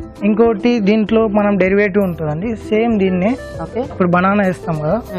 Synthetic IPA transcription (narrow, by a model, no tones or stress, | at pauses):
iŋkoːɐʈid̪iːɳʈlo̞ːmɐnɐmɖeɾiʋeːʈ̬iːuɳʈund̪ɐɳɖiseːmd̪iːnːe | okeipːuɽubɐnaːnɐeːst̪aːmɡɐa